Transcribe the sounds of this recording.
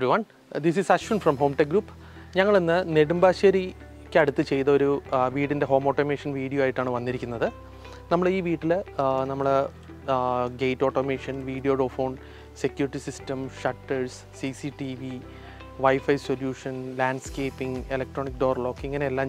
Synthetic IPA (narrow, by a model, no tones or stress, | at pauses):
iʋɐn | d̪is̬isɐɕʋunfrɐmɦo̞ːmʈeɡɾuːpː | ɲɐŋːɐɭenːɨneɽumbaːɕɐɾi | kʲːɐɽut̪ːɨt͡ɕe̞jt̪ɐo̞ɾuʋiːʈːindeɦo̞ːmoːʈːomeːʂɐnʋiːɽijoaːjiʈːaːɳɨʋɐnːiɾikʲːunːɐðɨ | nɐmːɐɭiːʋiːʈːilnɐmːɐɭ | ɡejtːo̞ːʈːomeːʂɐnʋiːɽijo̞ːɖoːfoːɳ | se̞kʲːjuːɾiʈːisistɐmʂɐʈːɐɻsːisiʈiʋi | ʋɐjfɐjso̞ljuːʂɐnlaːɳɖskeːpːiŋelɐk̚ʈroːnik̚ɖoːrlo̞ːkːeiŋːɐneelːaːm